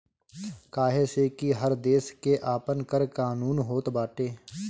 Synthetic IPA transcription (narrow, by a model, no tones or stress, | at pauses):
kaːɦeseːkiɦəɾd̪eːskeʔaːpənkəɾkaːnuːnɦoːt̪baːʈeː